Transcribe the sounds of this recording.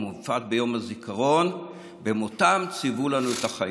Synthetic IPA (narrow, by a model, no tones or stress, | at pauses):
mufat̪bejo̞mazikʰaʁo̞n | bemotamt͡sivulanuetaχa